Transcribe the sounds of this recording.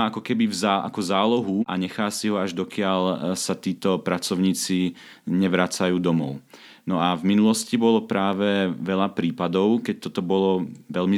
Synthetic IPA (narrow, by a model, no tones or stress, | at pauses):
akɔkɛbivzaʔa̰kɔzaːlɔɦuʔaɲɛxaːsiɦɔaʒd̪ɔkɪaʎsat̪iːt̪ɔpɾat͡sɔʊɲiːt͡si | ɲɛʋɾat͡sajuːd̪ɔmɔʊ | nɔavminulɔscibɔlɔpɾaːʋɛʋɛʎapɾiːpad̪ɔʊkɛc̚t̪ɔt̪ɔbɔlɔʋɛlmi